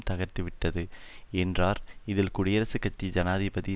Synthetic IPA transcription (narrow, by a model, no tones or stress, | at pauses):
mt̪ɐɣɐɾt̪ɯʋɪʈːɐðɯɛndraːɾɪðɪlkʊɽɪjɐɾɐsɯkːɐt̪ːid͡ʒɐnaːðibɐði